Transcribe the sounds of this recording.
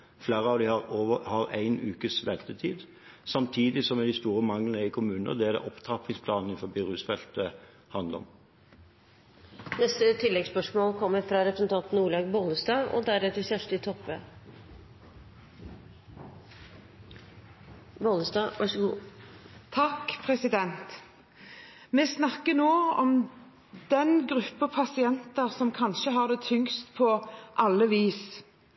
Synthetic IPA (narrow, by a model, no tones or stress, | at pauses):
flæːʁəɑʋd̪ɪhɑʁoəhɑʁæɪnʉːkəsʋɛnt̪ət̪ʰiːd̪ | sɑmt̪ʰiːd̪ɪsɔmɛd̪ɪst̪uːʁəmɑŋlənəɪkʰʊmʉːnə̰ʁd̪ɛæd̪ɛ̰ʔɔpt̪ʰɑpʰɪŋspʰlɑːnn̩ɪnfɔbiʁʉːsfɛlt̪ə | hɑnd̪əɔ̰m | nɛst̪ət̪ʰɪlːɛɡspœʂmoːlkʰɔmːəɾfɾɑɾɛpɾəsən̩t̪ʰɑnt̪n̩uːɭɑːɡboləsd̪ɑːɔ̰d̪æɾet̪ɪlsæʂʈɪt̪ʰɔpʋeː | boːləsd̪ɑːʋɑʂəɡuː | t̪ʰɑkpʰʁɛsɪd̪ɛnt̪ | mɛsnɑkːənoːɔm | d̪̥ɛnɡɾʉpːəpʰɑsɪɛnt̪əʁsɔmkʰɑnʃəɦɑʁd̪ɛːt̪ʰʏŋst̪pʰɔʔɑlːəʋiːs